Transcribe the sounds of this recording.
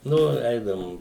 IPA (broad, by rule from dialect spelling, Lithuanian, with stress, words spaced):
ˈnʊ ˈɛɪdɐʋʊm